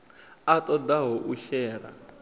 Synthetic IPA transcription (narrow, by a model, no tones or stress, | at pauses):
at̪ʼɔd̪aɦɔʔuʃɛːɺa̰